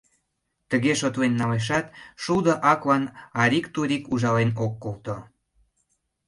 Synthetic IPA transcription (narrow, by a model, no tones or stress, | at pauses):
t̪əɣeʃot̪lenːɑleʃ̬ɑt̪ʃud̪ə̆ʔɑklɑnɑɾʲikt̪uɾikuʒɑlenokːolt̪o